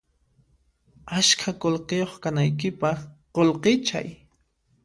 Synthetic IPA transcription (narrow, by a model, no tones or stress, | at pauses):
aʃkʰakolqejoχkanajk̬ɪpɑχqolqɪt͡ʃa̰j